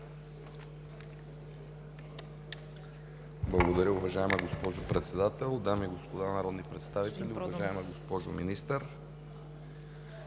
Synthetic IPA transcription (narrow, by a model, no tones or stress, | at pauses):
blˠɐɡod̪ɐɾʲəʊvɐʒaɛmɛɡospɔʒopɾɛt̪sɛd̪at̪ɛlˠd̪amiːɡospod̪anɐɾɔd̪nipɾɛt̪st̪avit̪ɛlʲiʊvɐʒaɛmɛɡospɔʒo̰minist̪əɾ